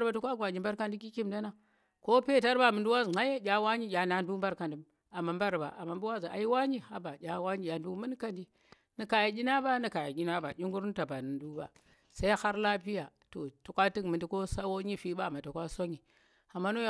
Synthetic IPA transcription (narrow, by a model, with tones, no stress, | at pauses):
ɾba˨tu˦kʷa˦ɡʷa˨ɲi˨mba˦ɾka˦ndi˦ki˦ki˦mda˦na˦˨ | ko˦pe˦˨ta˦ɾba˨mu˨ndu˦wa˦zŋa˦je˦d͡ʒʲa˦wa˦ɲi˦jʲa˨na˦ndu˦mba˦ɾka˨ndu˨m | a˨ma˨mba˦ɾba̰˨ʔa̰˨ma˨mbu˦wa˦zi˨a̰˨i˦wa˦ɲi˦a˦ba˨d͡ʒʲa˨wa˦ɲi˦ja˨ndu˦mu˦n˦ka˦ndi˦ | ni˨ka˨ja˨ɡʲi˦na˦ba˦ni˨ka˨ja˨ɡʲi˦na˦ba̰˨d͡ʒʲi˦ŋɡu˦ɾn˦ta˨ba˨nɨ˨ndu˦ba̰˨ | sa˦i˦ha˦ɾla˦pi˦ja˨ | to˨tu˨kʷa˦ti˦kmɨ˨ndi˦ko˦sa˦wo˦ɲi˦fi˦ba˦˨ma˨tu˨kʷa˦so˦ɲi˨ | a˨mːa˦no˦